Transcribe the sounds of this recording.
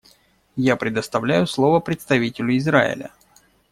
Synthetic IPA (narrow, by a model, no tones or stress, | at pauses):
japɾʲɪd̪əst̪ɐvlʲæjʊslˠo̞vəpɾʲɪt̪st̪ɐvʲitʲɪlʲʊɪzɾa̰ɪ̰lʲə̰